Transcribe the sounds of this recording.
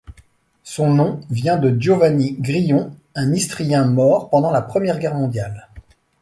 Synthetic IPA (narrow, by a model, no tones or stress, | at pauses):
sɔ̃nɔ̃vjɛ̃d̪əd̪jovaniɡʁijɔ̃ɛ̃nist̪χijɛ̃mɔʁpɑ̃d̪ɑ̃lapχəmjɛʁɡʲɛʁmɔ̃d̪jal